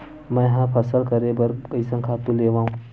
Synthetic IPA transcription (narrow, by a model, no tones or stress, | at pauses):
mɛ̃jɦãpʰɐsəlkɐɾebɐɾkəisə̃ŋkʰaːt̪ũleːʋãːɦũ